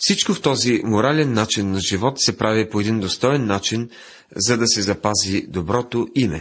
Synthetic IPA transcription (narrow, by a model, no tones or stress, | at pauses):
fsit͡ʃkoft̪ɔzimoɾalɛnːat͡ʃinːɐʒivɔt̪sɛpɾavipoɛd̪ind̪ost̪ɔɛnːat͡ʃin | zɐd̪ɐsɛzɐpazid̪obɾɔt̪oimɛ̰